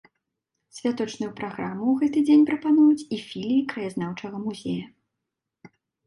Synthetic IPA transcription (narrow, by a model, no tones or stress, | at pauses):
sʲvʲat̪ɔt͡ʂnujupɾaɣɾamːuwɣɛt̪ɨd͡zʲenʲpɾɐpanujut͡sʲifʲilʲikɾɐjaznawt͡ʂɐɣɐmuzʲḛjɐ